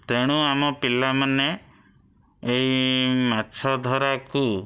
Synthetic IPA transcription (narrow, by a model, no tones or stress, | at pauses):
t̪eɽ̃uamɔpilamane | eimatːt͡ʃʰɔd̪ʱɔɾaku